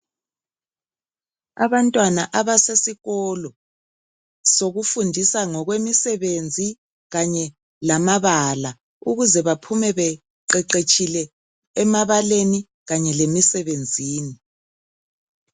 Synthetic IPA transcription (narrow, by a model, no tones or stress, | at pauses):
a̰βantʼwanaʔaβasesiɣɔlɔ | soɣufundʱisaŋɔɣwemisɛβend͡zʱi | ɣaɲɛ | lamaβala | uɣuzɛβapʰumɛβɛ | ǃɛǃet͡ʃʼilɛː | maβaleni | ɣaɲɛlemisɛβend͡zʱiːni